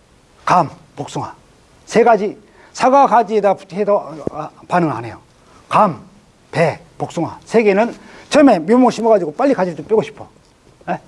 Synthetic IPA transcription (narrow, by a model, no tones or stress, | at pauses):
kampok̚s͈oŋwa | sʰeɡad͡ʑi | sʰaɡaɡad͡ʑidaedopanɯŋɦane̞jo | kam | pepok̚s͈ɯŋwa̰sʰeɡenɯnt͡ɕʌmemjomoŋɕʰimaɡad͡ʑiɡop͈aʎːikad͡ʑitop͈jiɡoɕʰi̥pʰo | je